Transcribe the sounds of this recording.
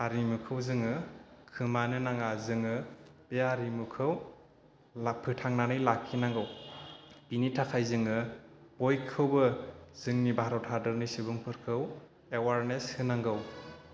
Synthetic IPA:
aɾimukʰɯwzɯŋɯkʰɯmanɯnaŋazɯŋɯpeaɾimukʰɯw | apʰɯtʰaŋnanɯjlakʰːinaŋɡɯw | pinitʰakʰajzɯŋɯb̥ojkʰːɯwbɯz̥ɯŋnibʱaɾɔwtʰadɯɾnisibuŋpʰɯɾkʰɯw | ewaɾneshɯnaŋɡɯw

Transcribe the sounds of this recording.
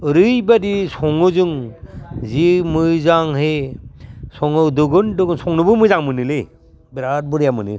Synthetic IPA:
ɾɯjbadisɔŋɯzɯŋ | zimɯjzaŋɦe | sɔŋɯdɯɡɯndɯɡɯnsɔŋnɯbɯmɯjzaŋmɯnɯle | biɾat̚bɯɾijamɯnɯ

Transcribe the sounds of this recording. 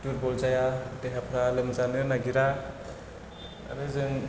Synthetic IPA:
tuɾbɔlzajadeɦapʰɾalemazanɯɾnaɡiɾa | a̰ɾɯzɯŋ

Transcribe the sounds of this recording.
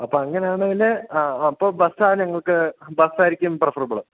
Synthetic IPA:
ɐpːoːɐŋːɐnejaːɳɐŋileɐpːoːbɐsaːnɲɐŋːɐɭkɨbɐsaːjiɾikʲːumprɐfɐrbɐɭɐ

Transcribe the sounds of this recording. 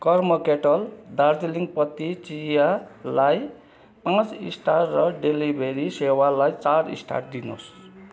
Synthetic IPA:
kʌrmʌkeʈʌld̪ard͡zeliŋɡpʌt̪ːit͡sijalaj | pãt͡sḭsʈʰaʈrʌɖelibʱeɾisewalajt͡saɾḭsʈʰa̰ʈ̚d̪ino̰s

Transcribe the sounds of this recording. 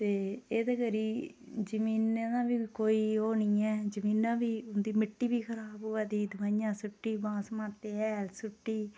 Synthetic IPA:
t̪eːeːd̪eːkəɾiː | d͡ʒəmĩːnenãːʋiːkoːiːɦoːnĩːɛːd͡ʒəmĩːnːãːʋiːʊnd̪iːmɪʈːiːʋiːkʰəɾaːboːaːd̪iːd̪əmaːɪ̃jãːsʊʈːiːbãːsmãːt̪eːɛːlsʊʈːiː

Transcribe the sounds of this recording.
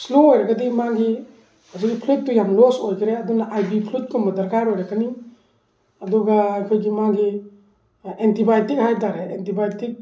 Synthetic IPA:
sluojɾaɡɐdimaɡi | azik̚ɡipʰlit̚ːujamlosojkʰɾeɐdunaʔajbipʰlut̚kʰumɐdɐɾkaɾojɾakani | ɐdɔɡaːjkʰojɡimaɡi | entibajtik̚hajdaɾeentibajtik̚

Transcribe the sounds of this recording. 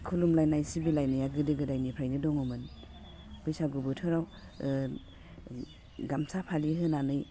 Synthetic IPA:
kʰulumlajnajsibilajnɯjaɡɯdɯɡɯdajnipʰɾajnɯdɔŋɯmɯn | b̥ɯjsaɡubɯtʰɯɾaw | ɡamsapʰaliɦɯnanɯj

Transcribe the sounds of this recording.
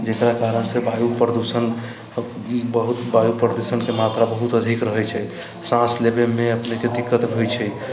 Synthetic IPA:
d͡ʒekɾakaɾənsebajupɾəd̪usən | bəɦut̪bajupɾəd̪usənkemat̪ɾabəɦut̪əd̪ʱikɾəɦɛjt͡ʃʰɛ | sãslebemeəpneked̪ikːət̪bʱojt͡ʃʰɛj

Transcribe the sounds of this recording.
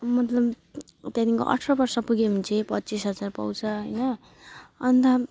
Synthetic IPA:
mʌt̪lʌb | t̪jad̪iŋko̰ʔʌ̰ʈʰrʌbʌrsʌpuɡemunt͡sʰipʌt̪ːt͡sisɦʌd͡zarpʌ̰wt͡sʰʌɦʌjnʌ | ʌnt̪ʌ

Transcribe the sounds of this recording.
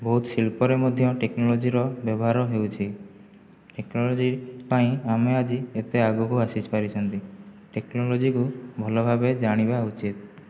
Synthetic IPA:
bɔɦut̪silpɔɾemɔd̪ʱjɔʈeknɔlɔd͡ʒiɾɔbjɔbɔɦaɾɔɦewt͡ʃʰi | ʈeknɔlɔd͡ʒipaĩamead͡ʒiet̪eaɡukuasit͡ʃpaɾit͡ʃʰɔnt̪i | ʈeknɔlɔd͡ʒikubʱɔlɔbʱabed͡ʒaɽ̃ibaut͡ʃit̪̚

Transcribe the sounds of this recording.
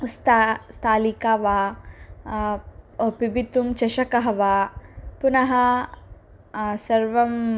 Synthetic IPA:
st̪ast̪ʰaːlikaːʋaː | pibit̪umt͡ʃɐʃɐkɐɦɐʋaːpunɐɦɐ | sɐɾʋɐm

